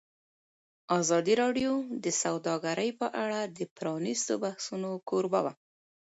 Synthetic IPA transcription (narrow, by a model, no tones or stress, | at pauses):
ɑzɑd̪iɾɑɖjod̪əsawd̪ɑɡaɾəjpəʔaɽad̪əpɾɑnist̪obahsunokʰoɾba̰wa̰